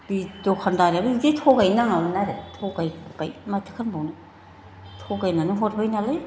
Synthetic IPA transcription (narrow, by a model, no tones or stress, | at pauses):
b̥idokʰandaɾababidetʰoɡajnaŋawnaɾetʰoɡajbajmatʰɯ̥kʰanbawnɯ | tʰoɡajnanɯɦot̚bajnalaj